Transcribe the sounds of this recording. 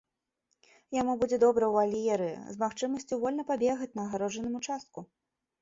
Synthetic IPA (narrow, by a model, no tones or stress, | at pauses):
jamubud͡zʲɛd̪ɔbɾɐwalʲijɛɾɨ̰zmaxt͡ʂɨmɐsʲt͡sʲuvɔlʲnɐpabʲɛɣɐt͡sʲnɐːɣaɾɔʐɐnɨmut͡ʂast̪̚ku